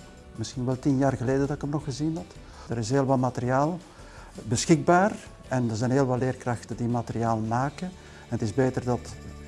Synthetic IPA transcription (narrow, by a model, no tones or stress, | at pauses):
mɪsxinʋɛlˠtinjaːrɣəleːdədɑtɪkəmnɔxxəzinɦɑt | dəɾɪsɦeːəlʋɑlmatəɾiaːlˠ | bəsxɪɡ̚baːr | ɛndərzɛjnɦeːlˠʋɑtleːrkrɑxtəndimatəɾiaːlˠmaːkən | ɛnətɪzbeːtərdɑt